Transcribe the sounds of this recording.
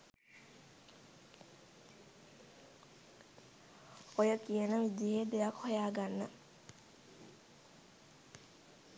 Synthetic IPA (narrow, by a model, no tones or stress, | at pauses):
ojəkijənəʋid̪jeɦeːd̪ejakhojaːɡanːə